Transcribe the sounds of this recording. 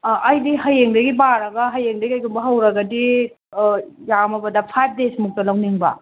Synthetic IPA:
ʔɐjdiɦɐjeŋdɐɡibaɾɐɡɐɦɐjeŋdɐɡiɐjɡumbɐɦɐwɾɐɡɐdi | jamɐbɐdɐpʰajp̚ʰdesmuk̚tɐlawniŋbɐ̰

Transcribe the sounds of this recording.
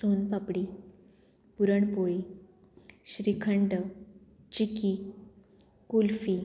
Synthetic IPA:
sonpapɽi | puɾəɳpoɭi | ɕɾikʰəɳɖə | t͡ɕiki | kulfi

